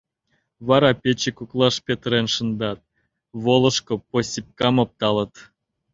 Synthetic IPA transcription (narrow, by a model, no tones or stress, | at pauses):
βɑɾɑpʲet͡ɕekuklˠɑʃpʲet̪əɾenʃə̆nd̪ɑt̪̚ | βolˠɤ̆ʃkŏposʲip̚kɑmop̚t̪ɑlə̆t̪